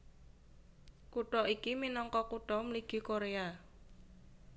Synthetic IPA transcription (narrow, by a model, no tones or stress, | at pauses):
kuʈɔʔikiminɔŋkɔkuʈɔmliɡ̥i̤koɾea